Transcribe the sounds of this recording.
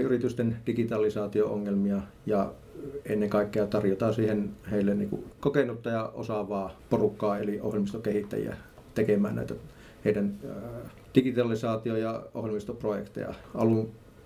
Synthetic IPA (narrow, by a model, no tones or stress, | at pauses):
yrit̪yst̪end̥ikit̪ɑlisɑːt̪ioo̰ŋːelmiɑ | jɑ | enːeŋkɑˑikːeɑt̪ɑrjot̪ɑːsiːhenheˑilːennḭːkṵkokenut̪ːɑjɑʔo̰sɑʋɑːporukːɑːeliʔo̰hjelmist̪okehit̪ːæ̰jḭæ̰ | t̪ekemæːnæ̰ˑit̪æ | heˑidæn | d̥ikit̪ɑlisɑːt̪iojɑohjelmist̪oprojḛkt̪ḛjɑ̰ɑlun